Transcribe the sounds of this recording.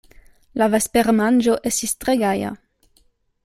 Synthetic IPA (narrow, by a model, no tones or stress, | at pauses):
lavɛspeʁmand͡ʒoʔɛsist̪ʁeɡaja̰